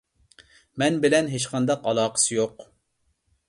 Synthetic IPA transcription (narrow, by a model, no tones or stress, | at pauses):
mɛnbɪlɛnɦet͡ʃqʰɑnd̪ɑqɑlˠɑːqʰə̥sɨjoq